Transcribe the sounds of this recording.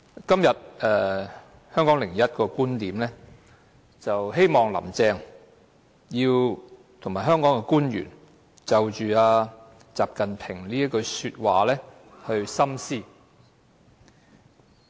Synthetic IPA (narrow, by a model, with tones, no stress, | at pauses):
kɐ˥mjɐ˨t̚ɛː˨ | hœː˥ŋkɔː˨˥ŋlɪ˨˩ŋjɐ˥t̚kɔː˧kuː˥nt̪iː˨˥mlɛː˥ | t͡sɐ˨wɦe˥jmɔː˨˩ŋlɐ̰˨˩mt͡sɛː˧ŋ | jiː˧w | t̪ʰʊ˨˩ŋmaː˨˩ɦœː˥ŋkɔː˨˥ŋkɛ˧kuː˥njy̰ː˨˩n | t͡sɐ˨wt͡ʃyː˨˧aː˧ | t͡saː˨p̚kɐ˨npʰɪ˨˩ŋliː˥ɐ˥kɵ˧ɥsyː˧t̚waː˨lɛː˥ | hɵ˧ɥsɐ˥msiː˥